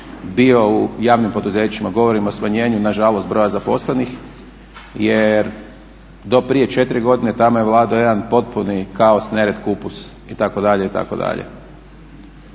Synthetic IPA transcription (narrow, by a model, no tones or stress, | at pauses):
bio̞ujaːʋnimpo̞d̪uzeːt͡ɕimaɡo̞ʋo̞ɾimosmaɲe̞ːɲunaʒalost̪̚bɾo̞jazapo̞slenix | jeɾ | d̪o̞pɾije̞t͡ʃe̞t̪ɾiɡo̞d̪ine̞t̪amojeʋlˠaːd̪ojed̪anpo̞t̪̚punikaosneɾet̪kupus | it̪ako̞d̪aʎeit̪a̰ko̞d̪a̰ʎḛ